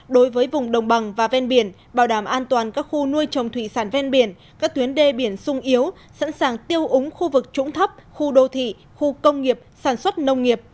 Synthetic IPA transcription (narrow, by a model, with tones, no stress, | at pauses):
ɗo˨˦jvəː˨˦jvʊ˨˩ŋ͡mɗə˨˩wŋ͡mɓa˨˩ŋvaː˨˩vɛ˧nɓi˧˩ən | ɓaː˧˩wɗaː˧˩mʔaː˧nt̪waː˨˩nkaː˦˥k̚xu˧nu˧əjt͡ɕə˨˩wŋ͡mt̪ʰwi˧˨saː˧˩nvɛ˧nɓi˧˩ən | ka˦˥k̚t̪wənɗe˧ɓi˧˩ənsʊ˧ŋ͡mʔi˨˦əw | sa̰˧˥nsaː˨˩ŋt̪i˧əwʔʊ˨˦ŋ͡mxu˧vɨ˨˩k̚t͡ɕʊ̰˧˥ŋ͡mt̪ʰə˦˥p̚xu˧ɗo˧t̪ʰḭ˧˨ | xu˧kə˧wŋ͡mŋi˨˩əp̚saː˧˩nswə˦˥t̚nə˧wŋ͡mŋi˨˩əp̚